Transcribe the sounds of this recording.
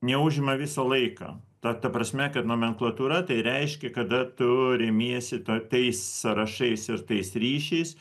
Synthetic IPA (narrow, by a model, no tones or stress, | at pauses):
nʲɛʊʒʲɪmɐʋʲɪsɐlˠɐɪkɑ̰ː | t̪ɐt̪ɐpɾɐsʲmʲɛkɐt̪noːmʲɛŋklˠɐt̪uːɾɐt̪ɐɪɾʲɛɪʃʲkʲɛkɐd̪ɐt̪ʊɾʲɪmʲiɛsʲɪt̪ot̪ɐɪssɐɾɐʃɐɪsɪɾt̪ɐɪsɾʲiːʃʲɛɪs